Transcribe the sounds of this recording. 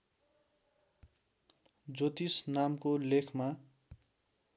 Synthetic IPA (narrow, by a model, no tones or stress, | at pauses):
d͡zot̪isnamkolekʰma